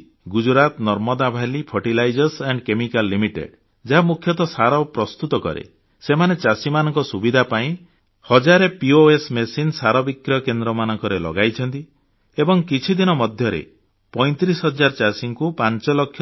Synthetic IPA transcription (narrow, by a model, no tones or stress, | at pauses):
ɡud͡ʒɾat̪nɔɾmɔd̪abʱalipʰɔʈilajd͡ʒɔɾseɳɖkemikalːimiʈḛɖ | d͡ʒaɦamukʰjɔt̪ɔsaɾɔpɾɔst̪ut̪ɔkɔ̰ɾḛ | semanet͡ʃasimanɔŋkɔsubid̪ʱapaĩ | hɔd͡ʒaɾepioesmesinsaɾɔbikɾjɔkend̪ɾɔmanɔŋkɔɾelɔ̰ɡajt͡ʃʰɔnt̪i | ebɔŋkit͡ʃʰid̪inɔmɔd̪ʱjɔɾḛ | pɔj̃t̪ɾisɦɔd͡ʒaɾt͡ʃasiŋkupant͡ʃɔlɔkʰj